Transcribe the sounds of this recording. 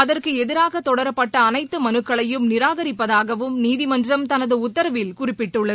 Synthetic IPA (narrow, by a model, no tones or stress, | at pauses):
ɐðɐrkɯɛðɪɾaːɣɐt̪ːɔɽɐɾɐpːɐʈːɐːnɐɪt̪ːɯmɐnɯkːɐɭɐjɯmnɪɾaːɣɐɾɪpːɐðaːɣɐʋɯmniːðɪmɐɲd͡ʒrɐmt̪ɐnɐðɯʊt̪ːɐɾɐʋɪlkʊrɪpːɪʈːɯɭːɐð